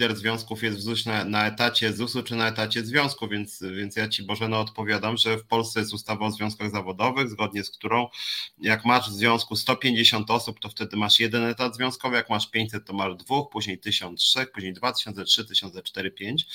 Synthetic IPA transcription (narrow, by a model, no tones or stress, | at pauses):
d̪ɛɾzvʲjɔ̃w̃skufjɛst̪vzuɕnanaɛt̪at͡ɕɛzusut͡ʂɘnaɛt̪at͡ɕɛzvʲjɔ̃w̃skuvʲjɛnt̪svʲjɛnt̪sjat͡ɕibɔʐɛnɔːt̪pɔvʲjad̪amʐɛfpɔlst̪sɛjɛst̪ust̪avaːzvʲɔ̃w̃skaɣzavɔd̪ɔvɘɣzɡɔd̪ɲɛskt̪uɾɔ̃w̃jakmaʐvzvʲjɔ̃w̃skust̪ɔpʲjeɲd͡ʑeɕɔnt̪ɔsupt̪ɔft̪ɛd̪ɘmaʂjɛd̪ɛnɛt̪ad̪zvjɔ̃w̃skɔvɨjakmaʂpʲjeɲt͡ɕʲsɛt̪ːɔmaʐd̪vuxpuʑɲejt̪ɘɕɔnt̪ʂɛxpuʑɲejd̪vat̪ɘ̥ɕɔnt̪sɛtʂɘt̪ɘɕɔnt̪ɛt͡ʂt̪ɛɾɘpʲjeɲt͡ɕ